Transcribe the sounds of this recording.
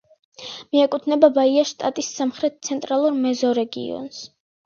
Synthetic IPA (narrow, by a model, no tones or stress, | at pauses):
miakʼut̪ʰnɛbabaiaʃt̪ʼat̪ʼissamχɾɛt̪̚t̪sʰɛnt̪ʼɾalˠuɾmɛzɔɾɛɡḭɔ̰ns